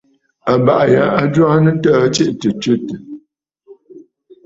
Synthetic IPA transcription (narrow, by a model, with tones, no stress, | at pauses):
a˨ba˨ʔja˨˦a˨d͡ʒwa˦nə˦tə˦t͡ʃe˦ʔtə˨tə˦tə˨